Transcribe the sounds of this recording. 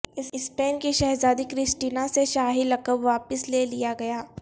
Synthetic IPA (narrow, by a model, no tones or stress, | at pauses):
ɪɪspeːnkiʃɛɦzaːd̪ikɾɪsʈiːnaseʃaːɦilɐkəbʋaːpəslelijaɡɐjaː